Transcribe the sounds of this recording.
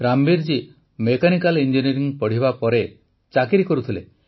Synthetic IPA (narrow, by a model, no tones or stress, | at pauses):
ɾambiɾd͡ʒi | mekanikalind͡ʒiniɾiŋpɔɽ̤ibapɔɾe | t͡ʃakiɾikɔɾut̪ʰilḛ